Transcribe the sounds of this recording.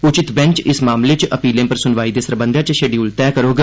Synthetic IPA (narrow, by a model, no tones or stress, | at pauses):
ʊt͡ʃɪt̪bɛ̃nt͡ʃɪsmaːmleːt͡ʃəpiːlẽːpəɾsʊnʋaːiːd̪eːsəɾbə̃nd̪ʱãːt͡ʃʃeːɖiult̪ɛːkəɾoːɡ